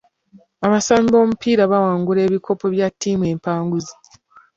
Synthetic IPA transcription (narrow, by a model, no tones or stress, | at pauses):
aβasaːmbo̞ːmupiːɾaβawaːŋɡule̞ːβiko̞po̞βjatʰːiːmwe̞ːmpaːŋɡuzi